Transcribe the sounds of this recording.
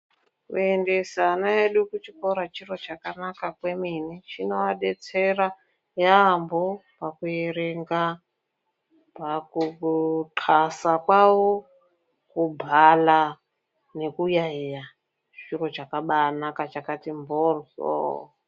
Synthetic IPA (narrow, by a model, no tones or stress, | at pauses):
ṵende̞sanaeɗukut͡ʃiko̞ɾat͡ʃiro̞t͡ʃakanakakwe̞minit͡ʃino̞aɗe̞t͡se̞ra | jaːmbopakujeɾe̞ŋɡa | pakutʰasakwawo | kubʱala | ne̞kujaija | t͡ʃiro̞ʐakaɓanakat͡ʃakatimborzo̰